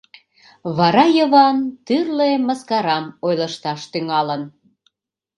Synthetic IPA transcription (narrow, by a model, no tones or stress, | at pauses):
βɑɾɑjəβɑnt̪yrleməskɑɾɑmojlə̆ʃt̪ɑʃt̪yŋɑlən